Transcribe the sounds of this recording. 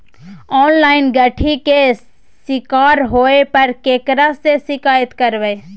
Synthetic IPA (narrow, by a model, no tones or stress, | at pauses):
ɔːnlaːɪnɡəʈʰike | sɪkaːɾɦoːepɐɾkeːkɾasesɪkaːjət̪kəɾʋe